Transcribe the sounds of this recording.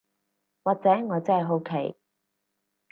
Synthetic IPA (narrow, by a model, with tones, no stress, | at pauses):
waː˨k̚t͡sɛː˨˥ŋɔː˨˧t͡sɛ˥hɐ˨jɦo˨˥wkʰe˨˩j